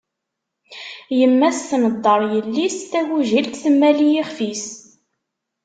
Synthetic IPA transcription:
jəmːæsθnəd̪ˤːəɾˤjəlːist̪æwuʒilt̪θəmːælijiχfis

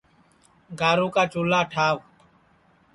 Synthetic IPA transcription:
ɡaːɾũːkaːt͡ʃoːlaːʈʰaːʋ

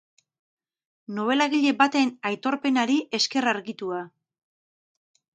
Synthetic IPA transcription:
no̞β̞e̞laɣiʎe̞bat̪enajt̪o̞ɾpe̞naɾiʔe̞ske̞raɾɣit̪ua

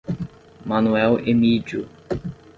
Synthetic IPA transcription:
mɐnuɛwemid͡ʒʊ

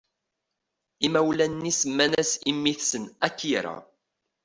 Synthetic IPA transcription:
imæwlænːisəmːænæsimːiθsənækːiɾa̰

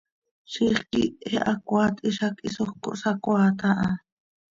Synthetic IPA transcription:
ʃiχkieʔakʷaːt̪ʼʔiʃakisoxko̰ʔsakʷaːt̪aʔɑ

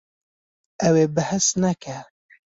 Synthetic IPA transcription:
ɛweːbɨhɨsnɛkʰɛ

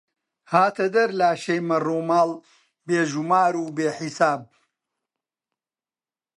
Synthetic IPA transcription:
haːt̪ʰɐd̪ɐɾlaːʃɐjmɐruːmaːl | beːʒumaːɾuːbeːħisaːb̚

